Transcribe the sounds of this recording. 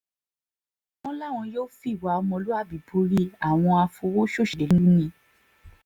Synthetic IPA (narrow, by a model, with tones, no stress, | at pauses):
ɔ̃˦la˦˨w̃ɔ̃˧joː˦fi˦˨wa˨˧˦ɔ˧mɔ̃˧lu˦a˦˨bi˨bu˧ɾi˦˧a˨w̃ɔ̃˧a˧fo˧wo˦ʃo˦˨ʃi˨e˨˦lu˦nĩ˧˦